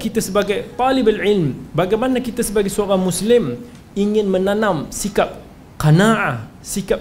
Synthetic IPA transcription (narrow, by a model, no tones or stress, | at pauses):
kit̪asəbaɡajt̪alɪbalʕɪlmbaɡajmanakit̪asəbaɡajsəoaɾaŋmuslɪm | iŋɪnmənanãmsikap̚ | qanaʔa | sikap̚